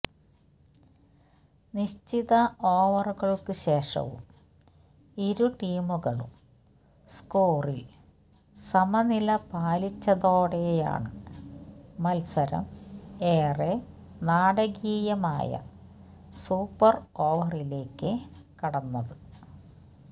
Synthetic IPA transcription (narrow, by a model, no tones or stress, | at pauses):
niɕt͡ɕiðɐʔoːʋɐruɣɐɭkɨɕe̞ːʂɐ̰ʋṵm | iɾuʈiːmuɣɐɭṵm | skoːril | sɐmɐnilɐpaːlit͡ɕːɐðo̞ːɽeja̰ːɳɨ | mɐlsɐɾɐ̰me̞ːre | naːɽɐɣiːjɐmaːjɐ̰ | suːpːɐro̞ːʋɐrile̞ːkːɨ | kɐɽɐnːɐðɨ